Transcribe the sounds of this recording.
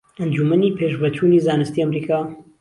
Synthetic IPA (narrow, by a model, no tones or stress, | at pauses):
ɐnd͡ʒumɐnipʰeːʃbɐt͡ʃʰunizaːnɨst̪iːɐmɾiːkʰaː